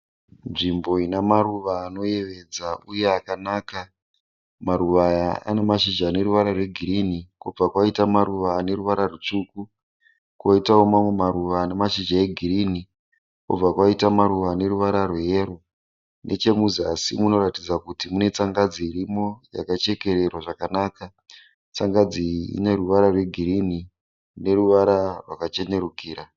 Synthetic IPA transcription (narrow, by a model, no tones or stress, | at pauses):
nʐimbo̞inamaɾuʋaːno̞je̞ʋe̞d͡zauje̞akanaːka | maɾuʋajaʔa̰nemaʃiʒane̞ɾuʋaɾarwe̞ɡʱiɾinikub͡vakwaitamaɾuʋaːne̞ɾuʋaɾarut͡ʂuːku | kwoitaomamwe̞maɾuʋaːnemaʃid͡ʒae̞ɡʱirini | kṵb͡vakwaitamaɾuʋane̞ɾuʋaɾaruɦeːɾo | nʔe̞̰t͡ʃe̞muzasimuno̞ɾatid͡zakutimune̞t͡saŋɡad͡ziiɾimo̞ja̰kat͡ʃe̞ke̞ɾe̞rwaʐakanaːka | t͡saŋɡad͡ziḭneruʋaɾarwe̞ɡʱiɾini | ne̞ruʋaɾarwakat͡ʃe̞ne̞ɾukiːra